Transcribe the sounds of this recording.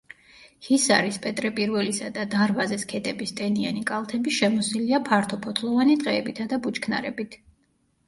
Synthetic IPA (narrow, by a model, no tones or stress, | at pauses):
hisa̰ɾispʼɛt̪ʼɾɛpʼiɾvɛlisad̪ad̪aɾvazɛskʰɛd̪ɛbist̪ʼɛnia̰nikʼalˠt̪ʰɛbiʃɛmɔsiliapʰaɾt̪ʰɔpʰɔt̪ʰlˠɔvanit̪ʼqʼɛːbit̪ʰad̪abut͡ʃʰʼkʰna̰ɾɛbit̪ʰ